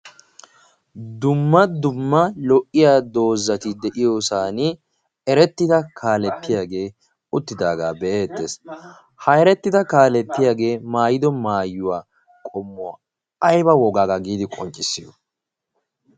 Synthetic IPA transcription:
d̪ʊmːɐd̪ʊmːɐlɔʔːɪjaːd̪o̞ːzːɐt̪ɪd̪ɛʔɪjoːsaːnɪ | ɛɾɛt̪ːɪd̪ɐkʰaːlɛt̪ːɪjaːɡe̞ː | ʊt̪ːɪd̪aːɡa̰ːbɛʔeːt̪ːḛːs | hɐjɾɛt̪ːɪd̪ɐkaːlɛt̪ːɪjaːɡe̞ːmaːjɪd̪ɔmaːjːʊwaː | kʼɔmːʊa̰ː | ɐjbɐwɔɡaːɡaɡiːd̪ɪkʼɔnt͡ʃʼɪsːɪjɔ

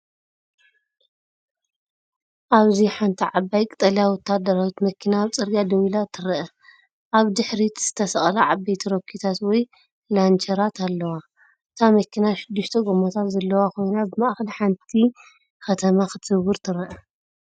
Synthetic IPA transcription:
ʔaβziħant̪ʰiʕabːajkʼɨt̪ʼɐljawɔt̪ʰːad̪ːɐɾawit̪mɐkʰːinaːβt͡sʼɨɾɡad̪ɐwilat̪ʰɨɾʔɐ | ʔaβd̪ɨħɾit̪z̥ɨt̪ʰɐsɐχʼlaʕabːajt̪ʰiɾokʰːit̪ʰat̪wɔj | lant͡ʃʰɐɾat̪ʰalːɐwa | ʔɨt̪ʰamɐkʰːinaʃɪd̪ːɨʃt̪ʰɐɡomot̪ʰat̪zɐlːɐwakʰo̞jnabɨmaʔxɐliħant̪ʰi | xɐt̪ʰɐmaxɨt̪ʰwɨɾt̪ʰɨɾɐʔɐ

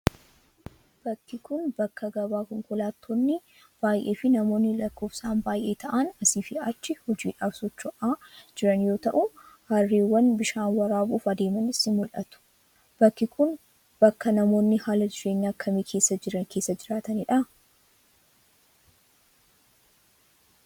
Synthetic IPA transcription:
b̥ɐkːɪkʊnbɐkːɐɡɐbaːkɔŋkʊlaːt̪ʰːonːɪ | b̥aːjʔe̞ːfɪnɐmo̞ːnːɪlɐkːo̞ːfsaːnbaːjʔe̞ːt̪ɐʔɐnɐsiːfɪɐt͡ʃːɪhɔd͡ʒiːᶑaːbsɔt͡ʃːɔʔaːd͡ʒɪɾɐnjo̞ːt̪ɐʔʊ | hɐrːeːwːɐnbɪʃaːnwɐɾaːbuːfɐd̪e̞ːmɐnɪsɪmɔᶑɐ̰t̪ʊ̥ | b̥ɐkːɪkʊn | b̥ɐkːɐnɐmo̞ːnːɪhaːlɐd̪ɪʃeːɲːaɐkʰːɐmiːkʰe̞ːsːɐd͡ʒɪɾɐkeːsːɐd͡ʒɪɾaːt̪ɐnɪᶑɐ

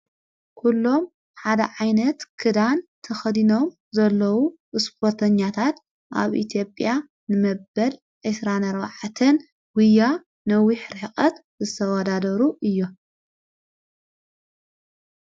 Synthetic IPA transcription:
kʰulːo̞m | ħad̪ɐʕajnɐt̪kʰɨd̪ant̪ʰɐxɐd̪ino̞m | zɐlːɐwu | ʔɨspʰoɾt̪ʰɐɲːat̪ʰat̪ | ʔa̰βʔḭt̪ʰjo̞pʼja | nɨmɐbɐl | ʔesɾanɐɾβa̰ʕat̪ʰɨn | wɨja | nɐwiħɾɨkʼɐt̪zɨt̪ʰɐwɐd̪ad̪ɐɾuʔɨjːo

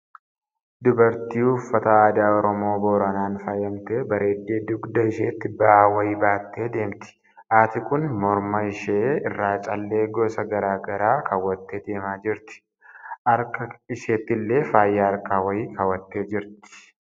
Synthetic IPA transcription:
d̪ʊbɐɾt̪iːhʊfːɐt̪ɐaːd̪aːɔɾɔmo̞ːbo̞ːɾɐnaːnfaːjɐmt̪e̞ːbɐɾe̞ːd̪ːe̞ːd̪ʊɡd̪ɐɪʃeːt̪ːɪbɐaːwɐjiːbaːt̪ːe̞ːd̪e̞ːmt̪ɪ̥ | ʔaːt̪ɪkʼʊnmɔɾmɐɪʃeːɪrːaːt͡ʃʼɐlːe̞ːɡoːsɐɡɐɾaːɡɐɾaːkʰɐwːɐt̪ːeːd̪e̞ːmaːd͡ʒɪɾt̪ɪ̥ | ʔɐɾkɐɪʃeːt̪ːɪlːe̞ːfaːjːaːɐɾkaːwɐiːkɐwɐt̪ːe̞ːd͡ʒɪɾt̪ɪ̥

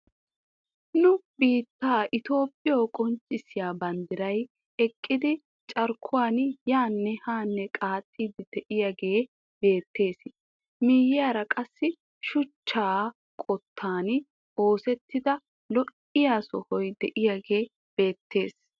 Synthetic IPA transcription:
nʊbiːt̪ːaːʔɪt̪o̞ːpʼːɪjowkʼɔnt͡ʃʼːɪsɪjaːbɐnd̪ɪɾɐj | ɛkʼːɪd̪ɪ | t͡ʃʼɐɾkʰːʊwaːnjaːnːɛhaːnːɛkʼaːt̪ʼːiːd̪ɪd̪̥ɛʔɪjaɡe̞ː | be̞ːt̪ːe̞ːs | miːjɪjaːɾɐkʼɐsːɪ | ʃʊt͡ʃːaː | kʼɔt̪ʰːaːn | o̞ːsɛt̪ːɪd̪ɐ | lɔʔ | ɪjaːsɔhɔjd̪ɛʔɪjaɡe̞ː | b̥e̞ːt̪ːe̞ːs

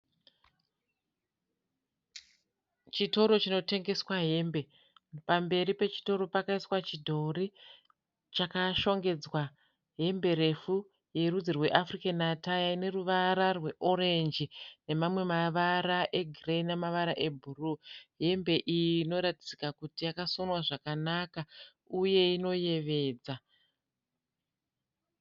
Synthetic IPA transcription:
t͡ʃito̞ɾo̞t͡ʃino̞te̞ŋɡe̞swaɦe̞ːmbe̞ | pambe̞ɾipe̞t͡ʃi̥to̞ɾo̞pakaiswat͡ʃidʱo̞ri | t͡ʃakaʃo̞ŋɡe̞d͡zwa | ɦe̞mbe̞ɾe̞fu | je̞rud͡zirwe̞ʔafrikanatajaine̞ruʋaɾarwe̞ʔo̞ɾe̞nd͡ʒine̞mamwe̞maʋaɾaʔe̞ɡʱireinemaʋaɾaʔe̞bʱuruɦe̞mbe̞ʔijiːno̞ɾatid͡zikakutijakasonwaʐakanaka | uje̞ino̞je̞ʋe̞ːd͡za

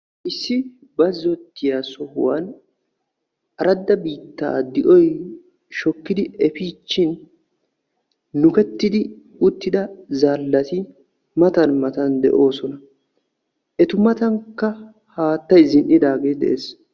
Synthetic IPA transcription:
ʔɪsːɪ | bɐzɔt̪ːɪjaːsɔhʊ̰wa̰n | ʔɐɾɐd̪ːɐbiːt̪ːa̰ːd̪ɪʔɔj | ʃɔkːɪd̪ɪʔɛfiːt͡ʃːɪn | ʊkɛt̪ːɪd̪ɪ | ʊt̪ːɪd̪ɐzaːlːɐt̪ɪ | mɐt̪ɐnmɐt̪ɐnd̪ɛ̰ʔo̞ːsɔnɐ | ʔɛt̪ʊmɐt̪ɐŋkːɐ | haːt̪ːɐjzɪnʔɪd̪aːɡe̞ːd̪ɛ̰ʔeːs

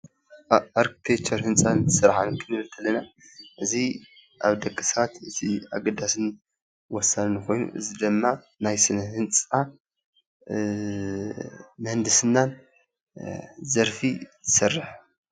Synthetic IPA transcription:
ʔaɾki̥t̪ʰet͡ʃʰɐɾhɨnt͡sʼant̪ʰɨsɨɾħankʰɨnɨβɨt̪ʰːɐlɐna | ʔɨzi | ʔa̰βd̪ɐkʼːɨsɐɾat̪ɨt̪ʰia̰ɡɐd̪asɨn | wɔsalnɨkʰo̞jnṵʔɨ̰zid̪ɨmːa | najsɨnɐhɨnt͡sʼa | mɨhɨnd̪ɨsɨnːan | zɐɾfizɨsɨrːɨħ

